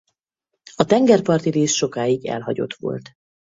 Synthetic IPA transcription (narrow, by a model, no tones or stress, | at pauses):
ɒt̪ɛŋɡɛrpɒrt̪iɾeːʃʃo̞kaːiɡɛ̰lɦɒɟo̞̰t̪ʋo̞̰lt̪